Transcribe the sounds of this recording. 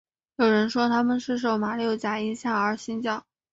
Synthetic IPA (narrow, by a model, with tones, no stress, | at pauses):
jo˨˩ʊɻə˧˥nʂwɔ˥t̪ʰa˥mə˨nʂɻ̩˥˩ʂ̬o˨˩ʊma˨˩ljo˥˩ʊt͡ɕja˨˩i˧˥ɕja˥˩ə˞˧˥ɕi˥nt͡ɕjɑ˥˩ʊ